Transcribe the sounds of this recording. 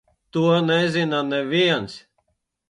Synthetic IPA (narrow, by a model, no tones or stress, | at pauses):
t̪uɔnɛzʲinanɛviɛns